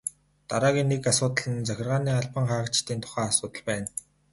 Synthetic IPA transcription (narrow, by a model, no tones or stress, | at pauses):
t̪aɾaːɣʲiːnːekasʊːt̪ə̆ɮə̆nt͡sæxʲɪ̆rʁaːniːaɮpə̆ɴχaːə̆kt͡ɕt̪iːnt̪ʰʊ̥χæːasʊːt̪ə̆ɮpæːn